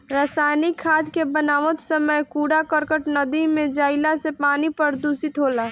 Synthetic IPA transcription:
ɾaːsaːnikʰːaːd̪kebənaːʋət̪səməjkuːɽakəɾkəʈnəd̪imẽd͡ʒaːɪlasepaːnipəɾd̪uːsɪt̪ɦoːlaː

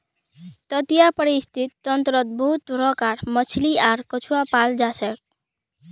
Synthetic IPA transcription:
t̪ʌt̪ijapəɾist̪ʰit̪ːʌnt̪ɾʌt̪̚bɔɦut̪ɾɔkaɾmʌt͡ʃʰliaɾkɔt͡ʃʰuwapald͡ʒasɛk̚

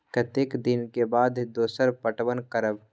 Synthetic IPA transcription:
kət̪ekd̪ɪnkebaːd̪d̪oːsəɾpəʈwənkəɾəb

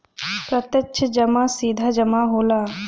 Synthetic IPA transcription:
pɾɐt̪jət͡ʃʰd͡ʒɐmaːsiːd̪ʱad͡ʒɐmaɦoːlaː

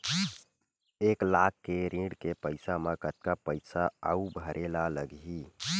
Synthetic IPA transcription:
eːklaːkːeɾĩːɽkepəɪsamekət̪̚kapəɪsaa̰ubʱəɾʔeːlaləɡi

